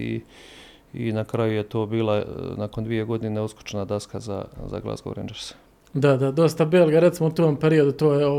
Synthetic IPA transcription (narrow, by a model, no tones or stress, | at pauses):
ḭ | inakɾajujet̪oːbiːlˠanakond̪ʋije̞ɡo̞d̪ineusku̥t͡ʃenad̪askaza̰za̰ɡlˠa̰sɡo̰ɾḛːnd͡ʒeɾs | d̪ad̪ad̪o̞st̪abeːlɡaɾet̪simout̪oːmpeɾio̞d̪ut̪oːjeo